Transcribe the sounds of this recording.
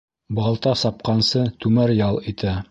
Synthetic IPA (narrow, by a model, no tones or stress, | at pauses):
bɑlˠt̪ɑsɑp̚qɑnsɤt̪ʉmæɾjɑlˠit̪æ